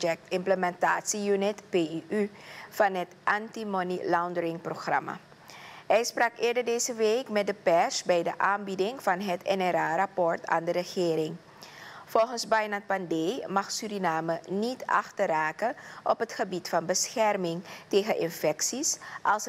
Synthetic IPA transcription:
ɛk̚tɪmpləmɛnta̰ːtsijynɪtpeyfɑnɦətʔɑntimonilawndəɾɪŋproxrɑ̰ma̰ | ɦɛjsprɑkɪːɹdəɹdeːzəʋeːkmɛt̚dəpɛɹsbɛjdəʔaːnbidɪŋvɑnɦətɛ̰nɛɾaːrɑpɔɹtʰa̰ːndəɾəxɪːɾɪŋ | fɔlˠxənsbajnat̚pandejmɑxsyɾinaːmənitʰɑ̰xtəraːkəʔɔpɦətχəbitfɑnbəsxɛrmɪŋteːɣənʔɪnfɛksisʔɑlˠs

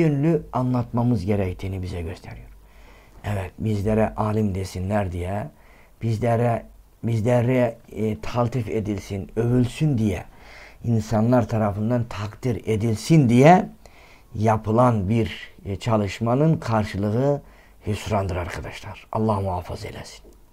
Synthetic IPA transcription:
ønlʲyanlˠɑt̪mamɯzɟeɾɛct̪ʰiːnibizɛɟøst̪ʰɛɾijoɾ | ɛvɛt̪bizlʲeɾɛʔaːlʲˠimd̪esinlæɾd̪ijɛ | b̥izlɛɾɛ | bizlʲɛɾɛt̪ʰalˠt̪ʰifed̪ilʲsinøvylʲsynd̪ijɛinsɑnlˠaɾt̪ʰɑɾɑfɯnd̪ɑnt̪ʰɑkd̪iɾed̪ilʲsind̪ijɛ | jɑpʰɯlˠanbiɾt͡ʃʰɑlˠɯʃmanɯnkʰɑɾʃɯlˠɯɣɯ | hysɾand̪ɯɾaɾkʰɑd̪ɑʃlˠɑɾɑ̰lˠːɑhmuaːfɯzḛlʲɛsi̥n

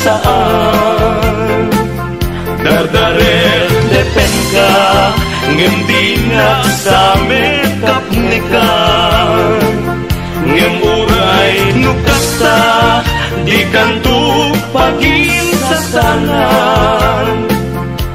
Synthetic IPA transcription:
saʔa | d̪ard̪aɾɛd̪ɛpɛŋka | ŋənt̪inakamɛt̪əp̚nɛka | ŋənʔuɾajnukəsa | d͡ʒikant̪upaɡiŋsəsaŋa | n

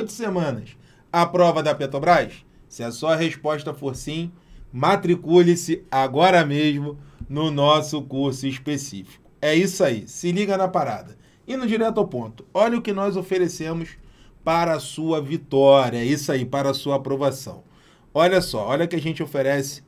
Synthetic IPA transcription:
t̪ʊ̥semɐ̃nɐʃ | ɐpɾɔvɐd̪ɐpet̪ɾobɾajʃ | sɪɐsɔɐɦeʃpɔʃt̪ɐfoɾsĩ | mat̪ɾikulɪsɪaɡɔɾɐmeʒmʊnʊnɔsʊkuɾsʊiʃpesḭfi̥kʊ̥ɛisʊaisɪliɡɐnɐpaɾa̰d̪ɐ | ĩnd̪ʊd͡ʒiɾɛt̪ʊawpõnt̪ʊ̥ɔʎɐʊkɪnɔjzofeɾesẽmʊʃpaɾɐːsuɐvit̪ɔɾiɐɛisʊaipaɾɐːsuɐːpɾovasɐ̰̃w̃ | ɔʎɐsɔ̰ɔʎɐʊkɪɐʒẽnt͡ʃɪofeɾɛsɪ̥

